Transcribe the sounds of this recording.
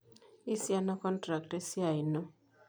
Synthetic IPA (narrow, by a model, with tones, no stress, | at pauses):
i˦sja˦na˦kɔ˦ntɾa˨k̚te˦sja˨i˨nɔ˦